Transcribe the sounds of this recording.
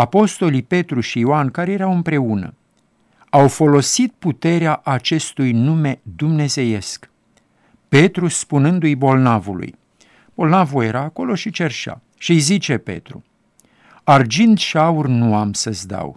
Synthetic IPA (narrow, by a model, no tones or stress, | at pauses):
apo̞st̪o̞lipe̞t̪ɾuʃioankaɾejeɾawɨmpɾe̞unə̰ | awfo̞lo̞sit̪̚put̪e̞ɾeaʔat͡ʃe̞st̪ujnume̞d̪umne̞ze̞je̞sk | pe̞t̪ɾuspunɨnd̪ujbo̞lnavṵlṵj | b̥o̞lnavuje̞ɾaːko̞lo̞ʃit͡ʃe̞rʃa̰ | ʃiijzit͡ʃe̞pe̞̰t̪ɾṵ | ard͡ʒind̪ʃiaurʲnuamsəzd̪a̰w